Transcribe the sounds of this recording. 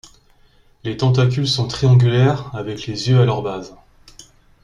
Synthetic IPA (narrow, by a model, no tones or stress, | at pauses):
let̪ɑ̃t̪akʲylsɔ̃t̪χiɑ̃ɡʲylɛʁavɛklezjøalœʁbaz